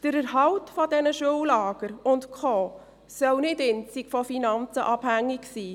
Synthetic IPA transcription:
d̥əɾəɾɦɑwtfɔdɛnəʃuwlɑːɡ̥əɾʊntkʰɔː | sœwnɪdɪnt͡sikfɔfinɑnt͡səʔɑb̥hæŋːiksiː

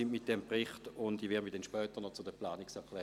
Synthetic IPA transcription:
ɪmmɪt̚d̥ɛmpʁɪχtʊndivɛɐmidɛnʃpœːtənɔt͡sudɛplaːnɪksɛɐkʰlɛː

